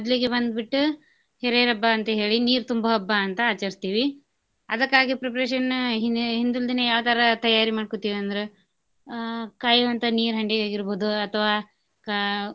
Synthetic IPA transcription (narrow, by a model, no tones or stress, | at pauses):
ɐd̪liɡebɐnd̪biʈːu | heɾeɾɐbːɐːnt̪ɐɦe̞ːɭiniːɾt̪umbɐɦɐbːɐːnt̪ɐaːt͡ʃɐɾist̪iːʋi | ɐ̰d̪ɐkːaːɡipɾepɾeːʂɐnːɦiɦind̪uld̪inejaːʋɐt̪ʰɐɾɐt̪ɐjaːɾimaːɖ̚kot̪iːʋiɐnd̪ɐɾe | kaːjuʋɐnt̪ɐniːɾɦɐɳɖiaːɡiɾboːd̪uɐt̪ʰɐʋaː